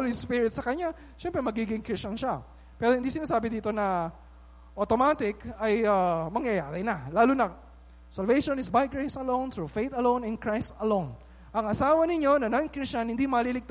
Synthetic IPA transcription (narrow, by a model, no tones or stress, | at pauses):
lispɪɾɪt̪sɐkɐɲa | ʃɛmpɾɛmɐɡiːɡɪŋkɾɪst͡ʃɐnʃa | pɛːɾohɪnd̪isɪnaːsaːbɪd̪iːt̪o̞nɐ | ʔot̪omaːt̪ɪkɐjɐmɐŋjɐjaːɾɪnɐlaːlunɐ | sɐlvejʃonɪsbajɡɹesɐlõwnθɹufejt̪ɐlõw̃nɪ̃nkɹajst̪ɐlõwn | ʔɐŋɐsaːwɐnɪɲo̞nɐnɐnkɾɪst͡ʃɐnhɪnd̪imɐlilɪɡ̚t̪